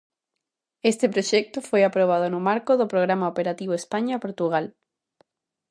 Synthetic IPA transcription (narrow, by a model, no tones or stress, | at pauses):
est̪epɾoʃɛk̚t̪ʊfojapɾoβ̞aðʊnʊmaɾkʊðʊpɾoɣɾamaopeɾat̪iβoespaɲaːpoɾt̪uɣ̞al